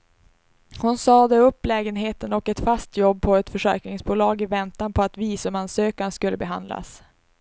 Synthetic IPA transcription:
hʊnsɑːd̪ɛɵpːlɛːɡənɦeːt̪ənɔkɛt̪fast̪jɔbːpʰɔɛt̪fœʂɛ̰ɾknɪŋsbuːlɑːɡɪvɛnt̪anpʰɔat̪viːsɵmansøːkanskɵlːəbɛɦa̰nd̪la̰s

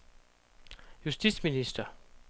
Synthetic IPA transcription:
just̪isministɐ

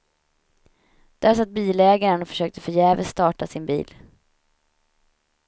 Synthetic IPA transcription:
d̪̥ɛasat̪̚ːbiːlɛːɡaɾənɔfœ̥ʂøːk̚t̪əfœjɛːvə̰st̪ɑːʈasɪnbḭːl

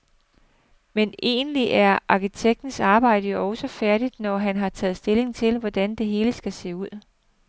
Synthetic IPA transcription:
mene̝̰ːnəliʔæɐʔɑ̈kʰit͡sʰeɡ̥̚d̥n̩sɑ̈ːb̥ɑ̈ɪ̰ɾ̥əjo̝ɒ̽ʊsəfæɐɾ̥id̥nɒɦænɦɑ̈t͡sʰɛ̰ːð̞̩ˠsd̥e̝le̝ŋt͡sʰe̝lʋɒd̥ænd̥e̝ɦe̝ːləsɡ̥æse̝̰ːuð̞̰ˠ

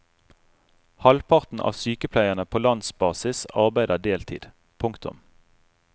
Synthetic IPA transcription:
hɑlpʰɑʁt̪n̩ʔɑ̰ːʋsyːkəpʰlæɪəʁnəpʰoːlɑnsbɑːsɪsɑʁbæɪd̪əd̪eːlt̪ʰḭːd̪̥ | pʰʊŋkt̪ʰʊ̰m

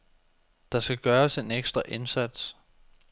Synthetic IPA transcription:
d̥ɑ̈sɡ̥æɡ̥ɶːɐse̝neɡ̥sd̥ʁɐʔe̝nsæd̥s

